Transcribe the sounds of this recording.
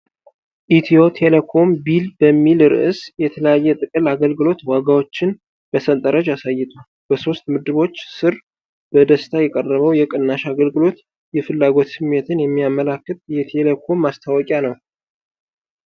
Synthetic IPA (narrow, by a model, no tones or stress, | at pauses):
ʔit̪ʰijo̞t̪ʰelekʰo̞mbilbəmːilɾɨ̰ʔɨsjɛt̪ʰələjajːɛt̪ʼɨkʼɨlaɡəlɡɨlo̞t̪waɡawo̞t͡ʃːɪn | b̥əsənt̪ʼəɾəd͡ʒasajːɪt̪ʰʼu | b̥əso̞st̪mɨd̪ɨβo̞t͡ʃːsɨɾ | b̥əd̪əst̪ʰajɛkʼərːəβəwjɛkʼɨnːaʃaɡəlɡɨlo̞t̪ | jɛfɨlːaɡo̞t̪sɨmːe̞t̪ʰɨnjɛmːijamːəlakːɨt̪̚ʼjɛt̪ʰelekʰo̞mːast̪ʰawɔkʼjanəw